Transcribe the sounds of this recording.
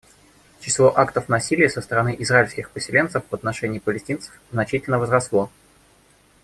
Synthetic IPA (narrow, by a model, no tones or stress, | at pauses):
t͡ɕɪslˠo̞ʔakt̪əfnɐsʲilʲɪjəsəst̪əɾɐnɨʔɪzraɪlʲsʲkʲɪxpəsʲɪlʲe̞nt̪səfvɐt̪nɐʂɛnʲɪːpəlʲɪsʲtʲint̪sə̥fznɐt͡ɕitʲɪlʲnəvəzɾɐslˠo̞